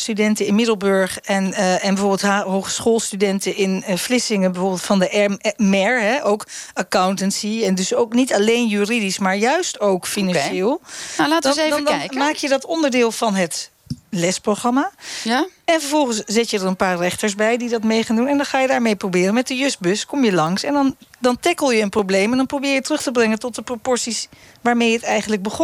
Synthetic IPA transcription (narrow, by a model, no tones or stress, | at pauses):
stydɛntəɪnmɪdəlˠbøɹχɛnɛnbɛvoɹbɪlˠtɦɦowχə̥sχoːlˠstydɛntəʔɪnflɪsɪŋənbɛvoːɹbɪːlˠtfɑndəʔɛmɛɹɦɛʔowkəkawntənsiɛndɵsowknitɑlejnjyːridismaːɹjœɥstowkfinɑnʃɪːlˠlaːtədndɛjmaːkjədɑtɔndəɹdɪːlˠvɑnɦət | lɛsproχrɑmaːaɛnfəɹvɔlˠχənsz̥ɪtjədəɹənpaːɹrɛχtəɹsbɛjdidɑtmejχaːndunɛndɑnχaːjədaːɹmejprowbɪːrənmɛt̚dəjʏs̚bɵskɔmjəlɑŋsɛndɑndɑntɛkəlˠjəːnprowblejmɛndɑnprowbɪːɹjətrɵχtəbrɛŋəntɔt̚dəpropɔɹsisʋaːɹmejɦətɛjχənləɡ̚bəχɔ